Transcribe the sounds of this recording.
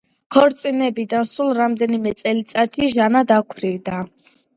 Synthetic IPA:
kʰɔɾt̪sʼinɛbid̪ansulˠɾamd̪ɛnimɛt̪sʼɛlit̪sʼat̪ʰiʒanad̪akʰɾivd̪a

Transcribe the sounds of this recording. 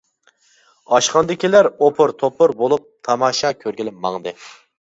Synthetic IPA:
ɑʃqɑnd̪ɪkʲilæɾopʰʊɾt̪ʰopʰʊɾbolˠup̚t̪ʰɑmɑːʃɑkʲʰøɾɡʲilɪpmɑŋd̪ɨ

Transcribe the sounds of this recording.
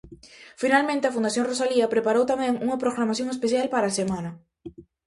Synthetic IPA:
finalmẽnt̪eafund̪aθjoŋrosaliɐpɾepaɾowt̪amẽŋuŋɐpɾoɣɾamaθjõŋespeθjalpaɾasemãnɐ

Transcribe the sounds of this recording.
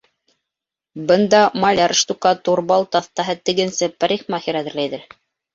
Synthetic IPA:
bɤ̆nd̪ɑmɑlʲɑɾʃt̪ukɑt̪uɾbɑlˠt̪ɑθt̪ɑɦɤt̪ɘ̆ɡɘ̆nsɘpæɾʲiχmɑhiɾæðɘ̆ɾlæjðɘɾ

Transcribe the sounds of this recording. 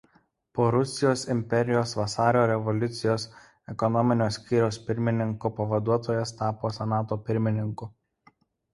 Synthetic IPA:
poːɾʊsʲɪjoːsɪmʲpʲɛɾʲɪjoːsʋɐsɑːɾʲoːɾʲɛʋɔlʲʊt̪sʲɪjoːs | ɛkɔnɔmʲɪnʲoːsʲkʲiːɾʲɛspʲɪɾʲmʲɪnʲɪŋkupɐʋɐd̪uɔt̪oːjɛst̪ɑːpoːsʲɛnɑːt̪oːpʲɪɾʲmʲɪnʲɪŋkʊ

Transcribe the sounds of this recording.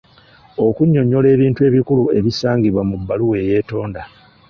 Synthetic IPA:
o̞kuɲːo̞ɲːo̞le̞ːβiːntue̞ːβikulue̞βisaːŋɡiβwamubːaluwe̞je̞ːto̞ːnda

